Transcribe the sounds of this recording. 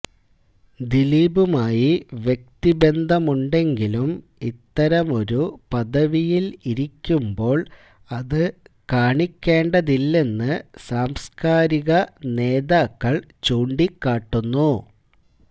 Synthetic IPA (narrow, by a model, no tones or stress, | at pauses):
d̪iliːbumaːjiʋjek̚t̪ibe̞nd̪ʱɐmuɳɖe̞ŋɡilum | it̪ːɐɾɐmo̞ɾupɐd̪ɐʋijiliɾikʲːumbo̞ːɭ | ɐðɨkaːɳikʲːe̞ːɳɖɐðilːe̞nːɨsaːmskaːɾiɣɐne̞ːðaːkːɐɭt͡ɕoːɳɖikːaːʈːunːu